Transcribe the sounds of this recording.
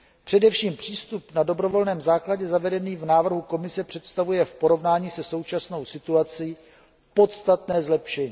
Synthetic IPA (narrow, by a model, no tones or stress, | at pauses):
pr̝̥ɛdɛfʃiːmpr̝̥iːst̪upnado̞bɾo̞vo̞lnɛːmzaːklaɟɛzavɛdɛniːvnaːvr̩ɦuko̞mɪsɛpr̥ɛt̪st̪avujɛfpo̞ɾo̞vnaːɲiːsɛso̞wt͡ʃasno̞wsɪt̪uat͡si | po̞t̪st̪at̪nɛːzlɛpʃɛɲiː